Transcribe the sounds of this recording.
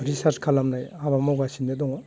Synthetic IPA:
ɾisaɾskʰalamnajabamowɡasinːedɔŋɔ

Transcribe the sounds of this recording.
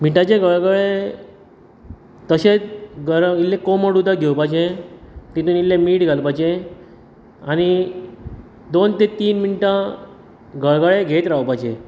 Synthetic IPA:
miʈat͡ɕeɡʱəɭɡaɭe | t̪əɕet͡sɡəɾəilːekoməɽud̪aɡʱewpat͡ɕẽt̪it̪unilːẽmiːʈɡʱalpat͡ɕe | añi | d̪ont̪et̪iːnminiʈã | ɡəɭɡaɭeɡʱet̪ɾawpajt͡ɕẽ

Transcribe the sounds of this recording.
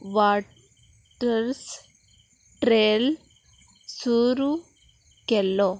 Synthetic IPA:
ʋaːʈ | ɐɾs | ʈɾeːl | suːɾu | kɛlːo

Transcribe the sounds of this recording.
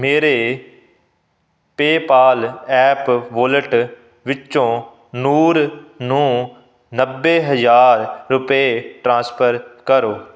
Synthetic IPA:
meːɾeː | peːpaːlɛːpʋʊləʈ | ʋɪt͡ʃːt͡ʃõː | nuːɾnũː | nəbːeːɦəzaːɾːʊpeʈɾãːspʰəɾkəɾoː

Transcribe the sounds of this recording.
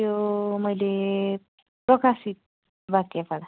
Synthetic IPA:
jomʌjle | pɾɔkasit̪̚ | bat̪japaɾa

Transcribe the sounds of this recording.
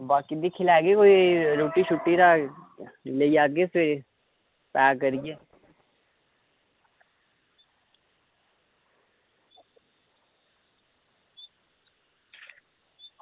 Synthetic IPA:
baːkɪd̪ikʰɪlaːɡikoːiɾoːʈiʃʊʈːiɾa | leiaːɡese | paːk̬əɾie

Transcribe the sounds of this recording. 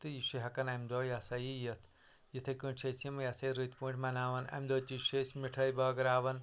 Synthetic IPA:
t̪ɨjisiɦɐkɐnɐmd̪oːjɐsɐjijɐt̪ʰ | jit̪ʰɐkɨ̃t͡ʃʰeːsimɐjɐsɐiɾɨt̪ʰpũːɳʈʰʲmɐnaːʋɐnɐ̰md̪oːt͡ʃiʃesmiʈʰɐjbɐːɡɐɾaːʋɐn

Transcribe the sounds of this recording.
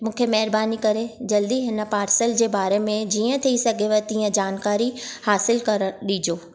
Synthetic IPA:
mũːkʰemɐɦɪɾbaːnikɐɾed͡ʑɐld̪iɦɪnə̆paːɾsəld͡ʑeːbaːɾemẽd͡ʑiːə̃t̪ʰiisɐɡʱeʋət̪iːə̃d͡ʑaːnkaːɾihaːsɪlkɐɾəɗiːd͡ʑoː

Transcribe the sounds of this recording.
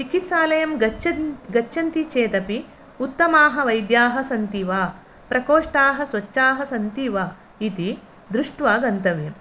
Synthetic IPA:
t͡ʃikit̪saːlɐjɐmɡɐt͡ʃɐɡɐt͡ʃːʃɐnt̪it͡ʃeːt̪ɐpi | ut̪ːɐmaːɦɐ̆ʋɐjd̪jaːɦɐsɐnt̪iʋaː | pɾɐkoːʂʈaːɦɐ̆sʋɐt͡ʃːaːɦɐsɐnt̪iʋaː | it̪i | d̪ɾuʂʈʋaːɡɐnt̪ɐʋjɐm

